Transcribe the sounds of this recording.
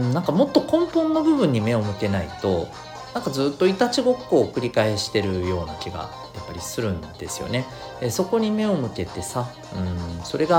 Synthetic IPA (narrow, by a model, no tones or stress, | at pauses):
nãŋkamot̪ːo̞kõ̞mpõnːobɯ̟bɯ̟̃ɲ̟ːime̞o̞mɯ̟t̪e̞nait̪o̞ | nãŋkad͡zzɨːt̪ːo̞it̪at͡ɕiɡo̞kːo̞ːkɯ̟ɾʲikae̞ɕi̥t̪e̞ɾɯ̟jo̞ːnakʲiɡa̰ | japːaɾʲisɨɾɯ̟̃nd̪̥e̞sɨjo̞̰ne̞ | eso̞ko̞ɲ̟ime̞o̞mɯ̟t̪e̞t̪e̞sa | ɯ̟̃ɴso̞ɾe̞ɡa